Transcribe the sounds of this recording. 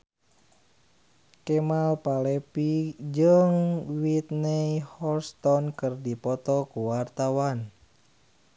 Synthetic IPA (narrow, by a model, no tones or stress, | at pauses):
kɛmalpalɛpid͡ʒəŋwit̪nɛjhɔlst̪ɔnkɨrdipɔt̪ɔkuwart̪awan